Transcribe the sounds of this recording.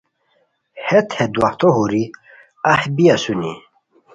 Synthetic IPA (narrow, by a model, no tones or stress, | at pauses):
hɛt̪ʰhed̪waht̪ʰoɦuɾi | ahbiasuni